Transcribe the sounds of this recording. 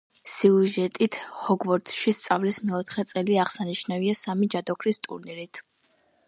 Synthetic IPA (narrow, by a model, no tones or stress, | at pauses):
siuʒɛt̪ʼit̪ʰhɔɡvɔɾd̪ʃist̪sʼavlismɛɔt̪ʰχɛt̪sʼɛliaʁsaniʃnaviasamid͡ʒad̪ɔkʰɾist̪ʼṵɾniɾit̪ʰ